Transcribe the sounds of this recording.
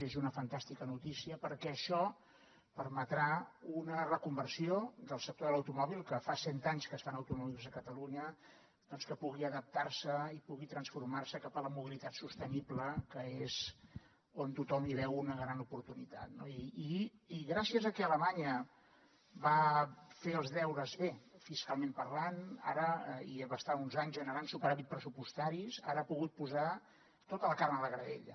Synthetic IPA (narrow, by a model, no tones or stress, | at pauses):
ezunəfənt̪ast̪ikənut̪isiəpəɾkɛəʃɔ | pəɾmət̪ɾaunərəkumbəɾsiod̪əlˠsək̚t̪oðələwt̪umɔβ̞ilˠkəfasɛnt̪aɲskəsfanəwt̪umɔβilˠzəkət̪əluɲə | d̪̥ɔnskəpuɣiəðəp̚t̪aɾsəipuɣit̪ɾənsfuɾmarsəkapələmuβilit̪at̪sust̪ənibləkəez | ont̪ut̪ɔmiβɛwunəɣɾanupuɾt̪unit̪a̰t̪noiːɣɾasiəzəkɛələmaɲə | βafeəlˠzðɛwɾəzβefiskalˠmempəɾlana̰ɾəiβast̪aunzaɲzʒənəɾansupəɾaβit̪pɾəsupust̪aɾiza̰ɾəapuɣut̪̚puza | t̪ot̪ələkarməðəɣɾəðḛʎə̰